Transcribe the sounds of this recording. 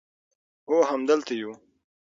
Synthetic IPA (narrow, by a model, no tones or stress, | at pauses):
oɦamd̪əlt̪aju